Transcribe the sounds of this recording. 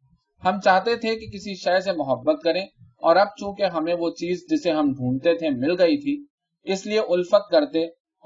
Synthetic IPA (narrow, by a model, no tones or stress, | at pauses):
hɐmt͡ʃaːɦt̪et̪ʰekekɪsiʃɛːs̬emʊɦəbːət̪̚kɐɾẽː | ɔːɾɐb̚t͡ʃũːkeɦɐmẽʋot͡ʃiːzd͡ʒɪseɦɐmbʱũːnt̪et̪ʰemɪlɡɐit̪ʰi | ɪslieʔʊlfət̪̚kɐɾt̪eː